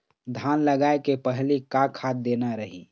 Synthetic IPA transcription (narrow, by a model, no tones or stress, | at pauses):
d̪ʱanləɡaekepəɦlikakʰat̪̚d̪enaɾəɦḭ